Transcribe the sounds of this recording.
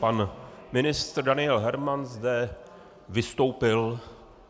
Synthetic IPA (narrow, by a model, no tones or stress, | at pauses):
panmɪnɪst̪rdanɪɛlɦɛɾmanzdɛ | vɪst̪o̞wpɪl